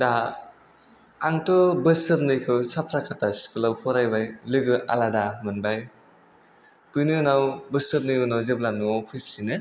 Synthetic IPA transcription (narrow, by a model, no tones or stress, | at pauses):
da | aŋtɔbɯsɯɾnɯjkʰɯwsapʰɾakʰatasi̥kʰɯlabpʰɔɾajbajlɯɡɯʔa̰ladamɯnbaj | tujnɯnawbɯsɯɾnɯjɯnawzeblanupʰip̚ʰsinɯ